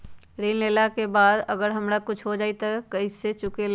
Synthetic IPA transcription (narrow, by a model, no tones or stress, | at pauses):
ɾeːnleːlakebaːd̪əɡəɾɦəmɾakʊt͡ʃʰɦod͡ʒaːit̪akɐiset͡ʃʊkel